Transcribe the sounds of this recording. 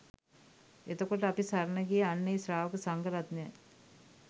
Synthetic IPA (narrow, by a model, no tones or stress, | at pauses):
et̪okoʈəapisaɾnəɡijeanːejsɾaːʋəkəsaŋɡəɾat̪nɛ